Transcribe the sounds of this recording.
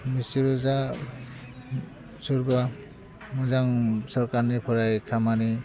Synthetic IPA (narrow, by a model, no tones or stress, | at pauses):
misiɾuza | suɾba | muzaŋsɔɾkaɾnipʰɔɾajkʰamani